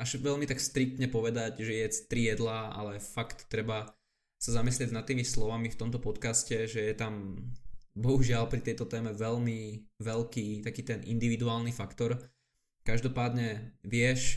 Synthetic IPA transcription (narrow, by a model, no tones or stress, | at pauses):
aʒʋɛʎmit̪akst̪ɾik̚t̪ɲɛpɔʋɛd̪acʒɛjɛt̪ɾijɛd̪laa̰lɛfakt̪ːɾɛba | sazamislɪɛɟnat̪ːiːmislɔʋamift̪ɔmt̪ɔpɔt̪kascɛʒɛjɛt̪am | bɔɦuʒɪalpɾit̪ɛjt̪ɔt̪ɛːmɛʋɛʎmiʋɛʎkiːt̪akiːt̪ɛnʔḭnd̪iʋid̪uaːlnifakt̪ɔɾ | kaʒd̪ɔpaːd̪ɲɛʋɪɛʃ